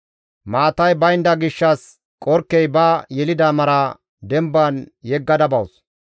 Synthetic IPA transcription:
maːt̪ɐjbɐjnd̪ɐɡɪʃːɐs | kʼɔɾkːɛjbɐajɛlɪd̪amɐɾa | d̪ɛmbɐnjɛɡːɐd̪ɐbɐws

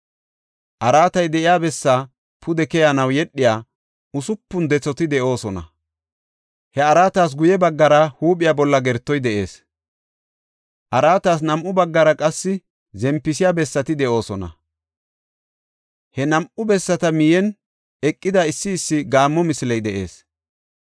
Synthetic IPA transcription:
ʔɐɾaːt̪ɐjd̪ɛʔɪjaːbɛsːa | pʰʊd̪ɛkɛjanɐwjɛɗːɪjaː | ʊsʊpːʊnd̪ɛt͡sːɔt̪ɪd̪ɛʔo̞ːsɔnɐ̰ | hɛɐɾaːt̪aːs̬ɡʊjɛbɐɡːɐɾɐhuːpʼɪjaːbɔlːɐɡɛɾt̪ːɔjd̪ɛʔe̞̰ːs | ʔɐɾaːt̪aːsnɐmʔʊbɐɡːɐɾɐkʼɐsːɪ | zɛmpːɪsɪjaːbɛsːɐt̪ɪd̪ɛʔo̞ːsɔnɐ̰ | hɛnɐmʔʊbɛsːɐt̪ɐmɪjɛn | ɛkʼːɪd̪ɐɪsːɪːsːɪɡaːmːɔmɪsɪlɛjd̪ɛʔe̞̰ːs

